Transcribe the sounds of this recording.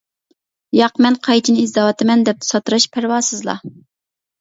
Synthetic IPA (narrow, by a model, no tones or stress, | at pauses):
jɑqmɛnqʰɑjt͡ʃʰinɪizd̪ɑwɑt̪ʰɪmɛnd̪ɛp̪̚sɑt̪ɾɑʃpʰæɾwɑːsɨzlˠɑ̰